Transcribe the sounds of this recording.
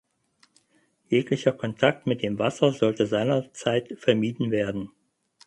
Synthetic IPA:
jeːklɪçɐkʰɔntʰak̚tmɪt̚d̥eːmvasɐzɔltəzaɪnɐt͡saɪtfɛɐmiːdn̩veːɐdn̩

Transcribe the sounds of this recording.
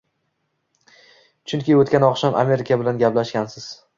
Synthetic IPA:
t͡ʃʰʊŋkʲɪot̪kʲanɒqʃamʔa̰me̞ɾɪkʲʰabɪlanɡʲaplaʃkʲansɪz̥

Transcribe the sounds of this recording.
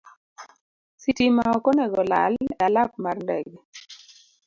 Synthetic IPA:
sitimaɔkɔnɛɡɔla̰lalap̚marndɛɡ

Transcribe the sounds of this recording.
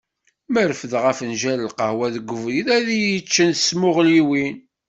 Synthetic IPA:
məɾfəðʁəfənʒæləlqəhwæðəɡʷːəvɾiðæðijət͡ʃːənə̥smʊʁliwin

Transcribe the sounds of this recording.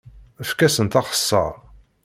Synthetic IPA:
əfkæsənt̪ɑχə̥sːɑ̰ʁ

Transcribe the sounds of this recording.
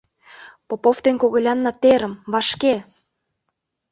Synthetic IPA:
popoft̪enkoɣɤ̆lʲɑnːɑt̪eɾə̆mβɑʃke

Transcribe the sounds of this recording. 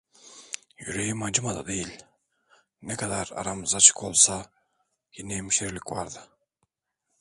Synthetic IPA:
jyɾejimad͡ʒɯmad̪a̰d̪ejilʲ | nɛkʰad̪aɾa̰ɾamɯzat͡ʃʰɯ̥kʰo̞lˠsa | jinɛemiʃeɾlʲicva̰ɾd̪ɯ

